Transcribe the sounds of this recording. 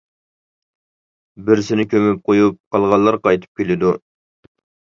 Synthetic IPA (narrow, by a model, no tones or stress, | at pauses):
bɪɾsɪnɪkʲʰømyp̚qʰojup̚qʰɑlˠʁɑlˠːɑɾqɑjt̪ʰɨ̥p̚kʲelɪd̪u